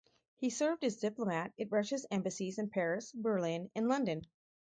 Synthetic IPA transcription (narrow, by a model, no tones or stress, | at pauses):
hisɜ˞vd̚ɨzdɪplˠəmæɾɨt̚ɹɛʃɨsɛ̃mbɨsizɨ̃npʰɛɹɨsbə˞lɪ̃nɨ̃nlʌ̃ndɨ̃n